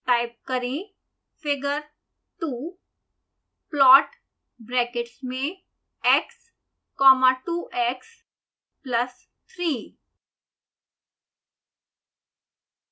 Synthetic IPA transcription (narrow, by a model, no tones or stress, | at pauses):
ʈajp̚kəɾĩ | feɡəɾ | ʈu | plɔʈ | bɾɛkeʈsme | eks | kɔmaʈuʔeks | pləs | t̪ʰɾi